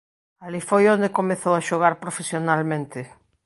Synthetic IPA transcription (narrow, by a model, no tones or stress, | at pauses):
alifojõnd̪ekomeθowaʃoɣ̞aɾpɾofesjonalmẽnt̪ɪ